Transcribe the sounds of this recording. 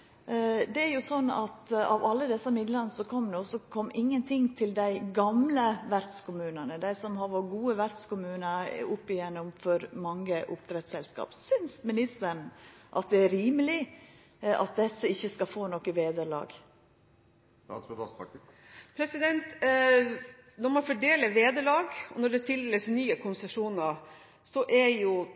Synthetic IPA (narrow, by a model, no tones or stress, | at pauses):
d̪ɛæɾjʊsɔnːɑ̰t̪ɑ̰ʋɑlːəd̪ɛsːəmɪd̪ləɾnəsɔkʰɔmd̪ɛɔsɔkʰɔmːɪŋːənt̪ʰɪŋt̪ʰɪld̪æɪɡɑmləʋæɾd̪skʊmʉːnənəd̪æɪsɔmhɑɾʋɔɾɡuːəʋæɾd̪skʊmʉːnəʊpːɪjɛnːʊmfɔɾmɑŋːəʔʊpt̪ʰɾɛt̪sɛlskɑ̰ːpsʏnsmɪnɪst̪əɳ̩ʔɑt̪̚d̪ɛæɾiːməlɪ | ʔɑ̰t̪̚d̪ɛsəɪçːəskɑfoːnɔkːəʋeːd̪əɾlɑ̰ːɡ | ɑsɑ | pʰɾɛsɪd̪ɛnt̪ | nɔɾmɑnfɔɖeːləʋeːd̪əlɑːɡɔnɔɖɛt̪ʰɪld̪ɛləsnyːəkʰʊnsɛʂuːnəɾ | sɔʔɛɾjʊ